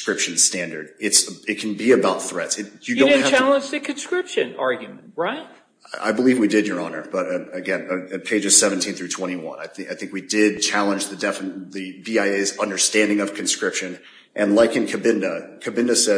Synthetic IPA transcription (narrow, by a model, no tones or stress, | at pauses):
kɹɪpʃɨ̃n̩stæ̃ndə˞dɨtsəɨt̚kʰn̩biɨbaʊt̪̚θɹɛtsɨjɨõɪn̚ht͡ʃʰælˠə̃nd͡ʒðɨkʰɨ̃n̩skɹɪpʃɨ̰̃nɑɹɡjm̃n̩t̚ɹaɪt̚ | a̰ɪbəlivwidɨd͡ʒjə˞ɑnə̰˞b̥ʌɾɨɡɛ̃nɨt̚pʰeɪd͡ʒɨz̥sɛṽn̩tʰĩnθɹʉtʰw̥ɛ̃ɾ̃iwʌ̰̃naɪθaɪθɪ̃ŋkwidɪd̚t͡ʃʰælˠə̃nd͡ʒðɨdɛfɨnðɨbiaɪeɪzʌ̃ndə˞stæ̃ndɪ̃ŋʌv̥kʰɨ̃n̩skɹɪpʃɨ̃n | ʔɨ̃nlaɪkɨ̃nkʰɨbɪ̃ndəkʰɨbɪ̃ndɨsɛ